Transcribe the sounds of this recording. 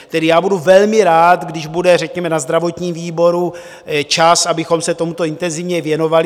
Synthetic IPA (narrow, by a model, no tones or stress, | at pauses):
t̪ɛdɪjaːbuduvɛlmɪɾaːt̪ɡdɪʒbudɛrɛkɲɛmɛnazd̪ɾavo̞t̪ɲiːmviːbo̞ɾu | t͡ʃasabɪxo̞msɛt̪o̞mut̪oɪnt̪ɛnzɪvɲɛvjɛno̞valɪ